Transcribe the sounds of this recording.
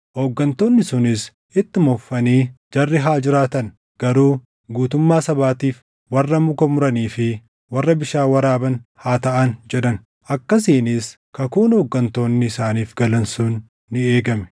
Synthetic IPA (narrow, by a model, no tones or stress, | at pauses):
hoɡːɐnt̪oːnːɪsʊnɪs | ɪt̪ːɪmɔfːɐniːd͡ʒɐrːɪɦaːd͡ʒɪɾaːt̪ɐn | ɡ̥ɐɾuː | ɡuːt̪ʊmːaːsɐbaːt̪iːf | wɐrːɐmʊkɔmʊɾɐniːfɪ | wɐrːɐbɪʃaːwɐɾaːbɐnhaːt̪ɐʔɐnd͡ʒɛᶑ̪ɐn | ʔɐkːɐs̬iːniːs | kɐkuːnhɔɡːɐnt̪o̞ːnːɪːsaːniːfɡɐlɐnsuːnː | ɪeːɡɐmɛ̥